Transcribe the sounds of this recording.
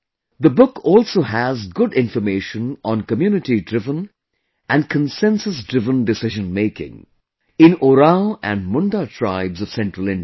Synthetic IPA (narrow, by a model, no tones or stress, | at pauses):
d̪əbʊkʰɔːlˠsoːɦæzɡʊɖɪ̃ɱfəmeɪʃə̃nɔ̃nkəmjuːnɪʈidɾɪvə̃n | ʔæ̃nkʰə̃nsɛ̃nsəsdɹɪvə̃ndɨsɪʒə̃nmeɪkɪ̰̃ŋ | ɪ̃noɾaʊæ̰̃nmʊ̃ndatʰɹa̰ɪbzʌv̥sɛ̃ntɹəlˠɪ̃nd